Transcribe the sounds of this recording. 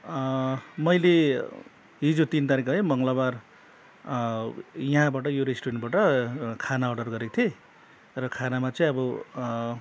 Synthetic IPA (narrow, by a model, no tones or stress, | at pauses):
mʌjle | ɦid͡zot̪int̪aɾikʌɦʌjmʌŋɡʌlabar | jʌɦãbaʈ̬ʌjoɾesʈuenʈbaʈʌkʰanaʌɖʌrɡʌɾekot̪ʰie | rʌkʰanamat͡sʌĩʌbʌ